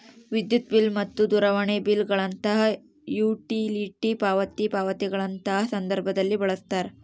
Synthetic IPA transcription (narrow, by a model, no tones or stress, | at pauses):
ʋid̪jut̪̚bilmɐt̪ːud̪uɾɐʋɐɳebilɡɐɭɐnt̪ɐɦɐ | juːʈiliːʈipaːʋɐt̪ipaːʋɐt̪iɡɐɭɐnt̪ɐɦɐsɐnd̪ɐɾbʱɐd̪ɐlːibɐɭɐst̪aːɾe